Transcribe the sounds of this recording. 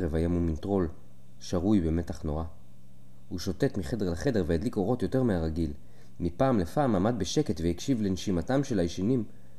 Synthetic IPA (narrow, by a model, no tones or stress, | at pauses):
ʁevajamumintʁo̞l | ʃaʁujbeme̞taχno̞ʁa | huʃo̞te̞tmiχe̞de̞ʁlaχe̞de̞ʁveadliko̞ʁo̞tjo̞te̞ʁmeaʁaɡil | mipaːmlefaːmamad̪̚beʃe̞ke̞tvejakʃivle̞nʃimatamʃe̞lajʃinim